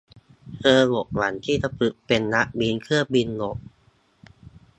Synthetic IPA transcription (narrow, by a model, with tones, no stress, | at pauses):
tʰɤː˧ŋo˨˩ʔ̚la˩˦nt̪ʰiː˥˩t̪a˧pɯ˨˩ʔ̚pe˧nːa˦˥ʔbi˧nkʰɯ˥˩əbi˧nŋo˨˩ʔ̚